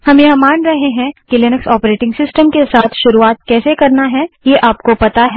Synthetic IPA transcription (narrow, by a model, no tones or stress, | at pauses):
hɐmjɐɦmaːnɾɐɦeɦɛ̃kilɪnəksɔːpɾeːʈɪ̃ŋɡsɪsʈəmkesaːt̪ʰʃʊɾuaːt̪̚kɛːsekɐɾnaɦɛjeːʔaːpkopɐt̪aɦɛ